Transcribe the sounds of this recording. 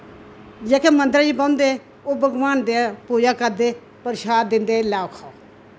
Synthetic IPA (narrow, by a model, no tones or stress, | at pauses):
d͡ʒeːkʰeːmə̃nd̪ɾiːbəʊ̃nd̪e | oːbəɡʋaːnd̪eapuːd͡ʒaːkəɾd̪eː | pəɾʃaːd̪ːɪ̃nd̪eːlaːokʰaːo